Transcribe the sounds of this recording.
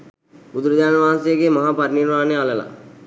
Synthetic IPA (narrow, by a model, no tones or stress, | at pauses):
ud̪uɾəd̪aːnʋaɦnsejəɡemaɦaːpaɾniɾmaːnealəla̰